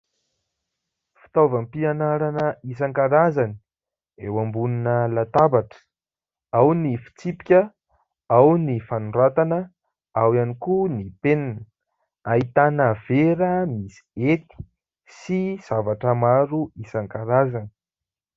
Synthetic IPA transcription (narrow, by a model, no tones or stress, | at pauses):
fi̥t̪avəmpianaɾanəis̬aŋkaɾazani̥ | ewambuninəlat̪abaʈ͡ʂə̥ | awnifi̥t͡sipikʲə | awnifanuɖ͡ʐat̪anə | awianikunipenanə | ait̪anəv̥eɾəmisi̥et̪i̥ | siz̥avaʈ͡ʂəmaɾuisaŋkaɾazani̥